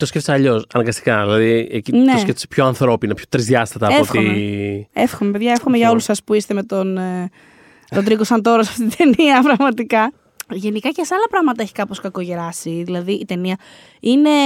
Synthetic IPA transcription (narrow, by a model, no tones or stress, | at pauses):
t̪oskefseɐʎo̞sɐnɐŋɡɐst̪ikɐðilɐðiecinesket̪sepçoɐnθɾo̞pinɐpçot̪ɾizðjɐst̪ɐt̪ɐːeofxt̪oimeefxomepeðʝɐefxome̞ʝɐo̞lusɐspuist̪eme̞t̪on | lot̪ɾikosɐnt̪o̞ɾɐsɐft̪it̪it̪e̞niɐpɾɐɣmɐt̪ikɐ | ʝe̞nikɐcesɐlɐpɾɐɣmɐt̪ɐeçi̥kɐpo̞skɐko̞ʝe̞ɾɐsiðilɐðiʔit̪e̞niɐ | ine̞